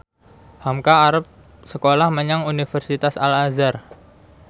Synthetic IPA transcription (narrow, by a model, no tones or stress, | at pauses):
hamkaːɾəp̚ | səkolahməɲaŋunifərsit̪asa̰lazar